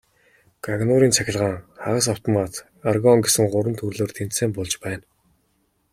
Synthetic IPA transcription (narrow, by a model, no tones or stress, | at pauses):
ɡ̥aɣnʊɾiːnt͡sʰæxʲɪ̆ɮʁaːŋχaʁə̆s̬aw̥t̪ʰɔmat̪ | arɣɔŋɡesɘ̆ŋɢʊɾə̆nt̪ʰɵrɮoːrt̪ʰen̥t̪seːmpʊɮt͡ɕpæːn